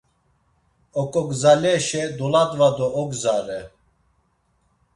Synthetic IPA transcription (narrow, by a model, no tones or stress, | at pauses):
ɔkʼɔɡzalɛʃɛd̪ɔlad̪vad̪ɔʔɔɡzaɾɛ